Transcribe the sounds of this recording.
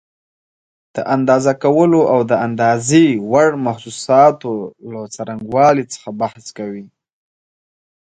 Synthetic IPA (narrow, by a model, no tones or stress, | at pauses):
d̪̥əʔand̪ɑzakawəloʔawd̪əand̪ɑzewaɽmaxsusɑt̪olat͡saɾaŋɡwɑlit͡sə̥xabahskawi